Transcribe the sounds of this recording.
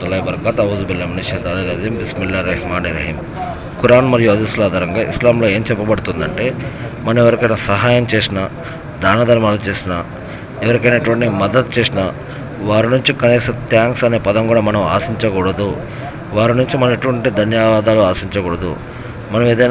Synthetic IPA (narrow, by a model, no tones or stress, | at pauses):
t̪ɐlɐːjibɐɾkaːt̪ɐʋːd̪ubilːɐminiʃɐnt̪aːliɾɐd̪imd̪ismilːɐɾɐhmaːniɾɐɦiːm | kuɾaːnmɐɾijoːd̪islaːd̪ʱɐɾɐŋɡaːʔḭslaːmlo̞ːe̞ːmt͡ʃɛpːɐbɐɽut̪und̪ɐɳʈe̞ːmɐnɐmɛʋɐɾikɐjnɐsɐɦaːjɐmt͡ʃeːsinɐ | d̪aːnɐd̪ʱɐɾmaːlɐt͡ʃeːsinɐ | ɛʋɐɾikɐjnɐʈuʋɐɳʈimɐd̪ɐt̪̚t͡ʃe̞ːsinɐ | ʋaːɾinuɲt͡ʃikɐniːsɐt̪jaːŋksɐne̞ːpɐd̪ɐmkuːɽaːmɐnɐma̰ːsiɲt͡ʃɐkuːɽɐd̪u | ʋaːɾinuɲt͡ʃimɐneʈuʋɐɳʈid̪ʱɐnjɐʋaːd̪aːluaːsiɲt͡ʃɐkuːɽɐd̪ṵ | mɐnɐmeːd̪ɐj